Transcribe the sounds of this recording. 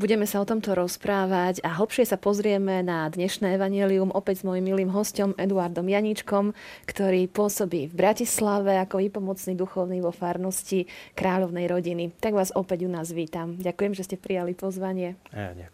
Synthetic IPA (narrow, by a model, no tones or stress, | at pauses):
buɟɛmɛsaɔt̪ɔmt̪ɔɾɔspɾaːʋaɟaɦl̩ˠpʃɪɛsapɔzɾɪɛmɛnad̪ɲɛʃnɛːɛʋaɲɛliumʔɔpɛɟzmɔjimːiliːmɦɔscɔmʔɛd̪uaɾd̪ɔmjaɲit͡ʃkɔmkt̪ɔɾiːpʊɔsɔbiːvbɾacislaʋɛakɔʋipɔmɔt͡snid̪uxɔʊniʋɔfaːɾnɔscikɾaːʎɔʊnɛjɾɔɟinit̪aɡʋaːzɔpɛɟunaːzʋiːt̪amɟakujɛmʒɛscɛpɾijalipɔzʋaɲɪɛ